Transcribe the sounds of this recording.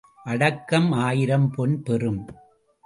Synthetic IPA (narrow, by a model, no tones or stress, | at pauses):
ʔɐɽɐkːɐmaːjɪɾɐmpɔnpɛrɯm